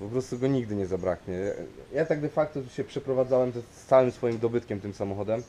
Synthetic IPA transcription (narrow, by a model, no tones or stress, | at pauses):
pɔpɾɔst̪uɡɔɲiɡd̪ɘɲɛzabɾakɲɛjat̪aɡ̚d̪ɛfak̚t̪ɔt̪uɕɛpʂɛpɾɔvad̪zawɛmzɛawɘmsfɔjimd̪ɔbɘt̪̚kʲɛmt̪ɘmsamɔxɔd̪ɛm